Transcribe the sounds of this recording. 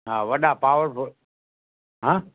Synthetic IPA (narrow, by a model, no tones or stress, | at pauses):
ɦaːʋəɗapaːʋəɾpʊ | ɦãː